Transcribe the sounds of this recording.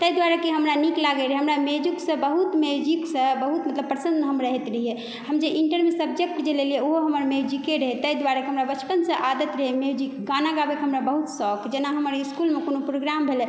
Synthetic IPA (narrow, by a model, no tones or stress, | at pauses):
t̪əjd̪ʋaɾəkeɦəmɾaniklaɡeɾəɦeɦəmɾamed͡ʒuksə̃bəɦut̪med͡ʒiksə̃bəɦut̪mət̪ləbpːɾsə̃nd̪ɦəmɾəɦet̪ɾəɦije | həmd͡ʒeʔiɳʈəɾmesəb̚d͡ʒek̚ʈd͡ʒelelijeoɦoɦəməɾmed͡ʒikeɾəɦet̪əjd̪ʋaɾəkeɦəmɾabət͡ʃʰpənsə̃ʔad̪ət̪ɾəɦemed͡ʒikɡanaɡabekɦəmɾabəɦut̪sɔkd͡ʒenaɦəməɾiskulmekonopɾoɡɾambʱele